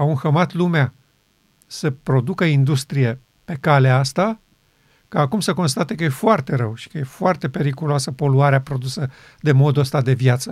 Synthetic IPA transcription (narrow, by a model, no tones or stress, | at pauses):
aunxəmat̪lumea | səpɾo̞d̪ukəind̪ust̪ɾije̞ | pe̞kaleast̪a | kaːkumsəko̞nst̪at̪e̞kəje̞foart̪e̞ɾəwʃi̥kəje̞foart̪e̞pe̞ɾikuluasəpo̞luaɾeapɾo̞d̪usə | d̪e̞mo̞d̪uəst̪ad̪e̞vjat̪sə